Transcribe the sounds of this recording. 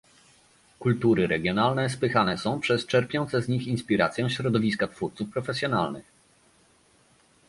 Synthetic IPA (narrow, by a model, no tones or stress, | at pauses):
kult̪uɾɘɾɛɡʲjɔnalnɛs̬pɘxanɛsɔ̃w̃pʂɛst͡ʂɛɾpʲjɔnt̪sɛzɲixinspʲiɾat̪sʲjɛɕɾɔd̪ɔvʲiskat̪fuɾt̪sufpɾɔfɛsʲjɔna̰lnɘ̰x